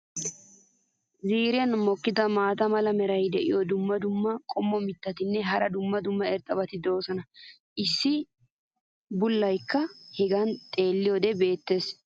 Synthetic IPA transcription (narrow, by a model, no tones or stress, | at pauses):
ziːɾɪjɐnmɔkːɪd̪ɐmaːt̪ɐmɐlɐmɛɾɐjd̪ɛʔɪ̰jɔd̪ʊmːɐd̪ʊmːɐkʼɔmːɔmɪt̪ːɐt̪ɪnːɛɦɐɾɐd̪ʊmːɐd̪ʊmːɐɛɾt̪ʼːɐbɐt̪ɪd̪o̞ːsɔnɐ | ʔɪsːɪ | bʊlːɐjkːɐhɛɡɐnt̪ʼe̞ːlːɪjɔd̪ɛbe̞ːt̪ːe̞ːs